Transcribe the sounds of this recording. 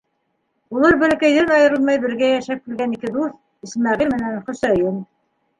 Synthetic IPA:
ulˠɤɾbɘ̆lɘ̆kæjðɘnɑjɤ̆ɾɤ̆lˠmɑjbɘ̆ɾɡæjæʃæp̚kilɡænikɘd̪uθ | ɘ̆smæʁilmɘ̆nænχɵ̆sæjɤn

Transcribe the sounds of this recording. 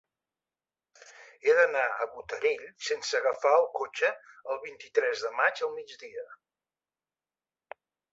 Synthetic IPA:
eðənaə̰βut̪əɾeʎsensəːɣəfaəlˠkot͡ʃəəlˠβint̪it̪ɾɛzðəmad͡ʒəlˠmid͡zðiə

